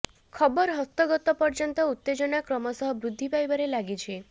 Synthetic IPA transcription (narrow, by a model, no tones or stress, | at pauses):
kʰɔbɔɾɦɔst̪ɔɡɔt̪ɔpɔɾd͡ʒɔnt̪ɔut̪ːed͡ʒɔnakɾɔmɔsɔɦɔbɾud̪ʱːipajbaɾelaɡit͡ʃʰe